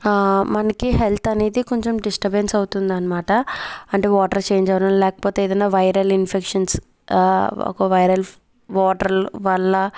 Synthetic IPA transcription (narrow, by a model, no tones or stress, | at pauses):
mɐnɐkiɦelt̪ʰɐne̞ːd̪iko̞ɲt͡ʃemɖisʈɐbensɐwt̪und̪iɐnɐmaːʈɐɐɳʈeːʋaːʈɐɾt͡ʃe̞ːɲd͡ʒɐʋɐɽɐmlɛːkɐ̥poːt̪eeːd̪ɐnːaːʋɐjɾɐlinpʰekʂɐns | ɔ̰kɐʋɐjɾɐl | ʋɔːʈɐɾlʋɐɭːɐ